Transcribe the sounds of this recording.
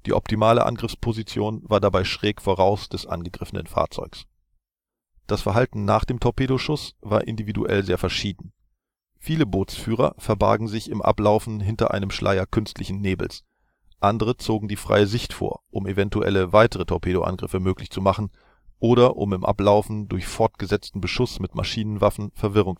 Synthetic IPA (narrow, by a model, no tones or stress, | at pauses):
d̥ḭːʔɔ̰ptʰimaːlə̰ʔa̰nɡʁɪfspʰozit͡sjoːnvaːɐdabaɪʃʁ̥ɛːkfoʁaʊsd̥ɛsʔa̰nɡəɡʁɪfənə̰nfa̰ːɐt͡sɔ̰ʏks | d̥asfɛɐɦaltn̩naːχd̥eːmtʰɔpʰeːɾoʃʊsv̥aːɐʔɪndividṵʔɛ̰lzeːɐfɛɐʃiːdn̩ | fiːləboːtsfyːʁ̞ɐ̰fɛɐba̰ɐɡŋ̩zɪçɪmʔa̰plaʊfn̩ɦɪntɐ̰ʔa̰ɪnəmʃlʔa̰ɪɐkʰʏnstlɪçn̩neːbl̩s | ʔandəʁət͡soːɡŋ̩diːfʁ̥a̰ɪəzɪçtfo̰ːɐʔʊmevɛntuʔɛ̰ləvaɪtəʁətʰɔɐpʰeːɾoʔa̰nɡʁɪfəmøːklɪçt͡sumaχn̩ | ʔoːɾɐʔʊ̰mɪmʔa̰plaʊfn̩dʊɐçfɔɐtɡ̥əzɛt͡stn̩bəʃʊsmɪtmʔa̰ʃiːnənvafn̩fɛɐvɪʁʊŋ